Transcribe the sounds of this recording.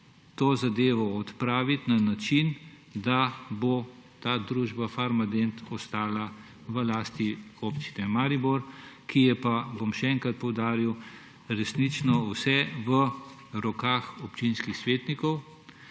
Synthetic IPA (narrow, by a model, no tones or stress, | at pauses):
t̪oːzad̪eːʋɔːt̪pɾaːʋit̪nanat͡ʃin | d̪abot̪aːd̪ɾuːʒbafaɾmad̪ent̪ɔst̪aːla | ʋəlaːst̪iopt͡ʃi̥nɛmaːɾiboɾkijɛpabomʃɛɛŋkɾat̪̚pɔwd̪aːɾiw | ɾɛsnit͡ʃnɔwsɛʋə | ɾɔkaːxɔpt͡ʃinskixsʋeːt̪nikɔw